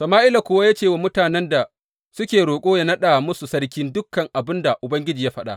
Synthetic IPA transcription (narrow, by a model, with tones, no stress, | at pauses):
sɐ˨maː˦ʔɪ˦la˨kʷʊ˦wa˦ja˦t͡ʃeː˦˨wa˨mʊ˦taː˨nɛ˦nda˨ | sʊ˦kʲeː˨ɽoː˨kʷʼoː˦ja˦nɐ˦ɗa˨mʊ˦su˨sɐ˦rkʲɪ˦ndʊ˦kːɐ˨ŋʔa˨bɪ˦nda˨ʔʊ˨bɐ˦ŋɡʲɪ˦d͡ʒiː˨ja˦ɸɐ˦ɗa̰˦ʔ